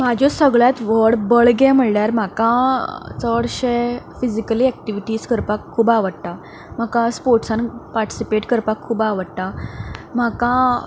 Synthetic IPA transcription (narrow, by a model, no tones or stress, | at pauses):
mad͡ʑʱɔsəɡɭjat̪ʋəɽbəɭɡɛ̃m̤əɳljaɾm̤akãt͡səɽɕefid͡ʑikəliɛk̚ʈiʋiʈiːskəɾpakʰːuːbaʋəɽt̪a | m̤akãspoɾʈsanpaɾʈi̥sipeʈkəɾpakʰːuːbaʋəɽt̪am̤akã